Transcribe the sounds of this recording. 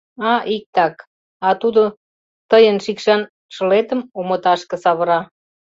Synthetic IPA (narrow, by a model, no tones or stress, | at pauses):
ɑʔik̚t̪ɑk | ɑt̪ud̪o | t̪əjənʃikʃɑn | ʃə̆let̪əmomət̪ɑʃkə̆sɑβəɾɑ